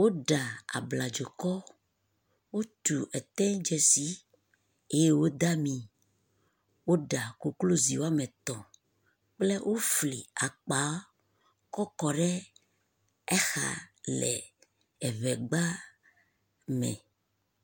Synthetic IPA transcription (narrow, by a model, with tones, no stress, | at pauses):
wo˦ɖa˨a̰˨bla˨d͡ʒo˨kɔ˦ | wo˦t̪u˨ʔɛ˨t̪ɛ̃˦d͡ʒɛ˦si˦ | e˦je˦wo˦d̪a˦mĩ˨ | wo˦ɖa˨ko˨klo˦zi˨wo˦a˦mɛ̃˨t̪ɔ̃˨ | k͡plɛ˦wʔo˦fli˨a˨k͡pa˨˦ | kɔ˦kɔ˨ɖɛ˦ | ɛ˦xa̰˨lɛ̰˨ | ɛ˨βɛ˨ɡ͡ba˦ | mɛ̰˨